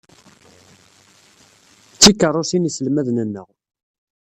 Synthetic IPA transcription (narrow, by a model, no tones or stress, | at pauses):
t͡sːikːərˤːʊsinisəlmæðnənːəʁ